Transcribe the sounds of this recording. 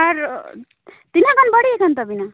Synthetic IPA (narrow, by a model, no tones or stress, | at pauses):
aɾ | t̪inakʌnbʌɽiekʰʌnt̪ʌbina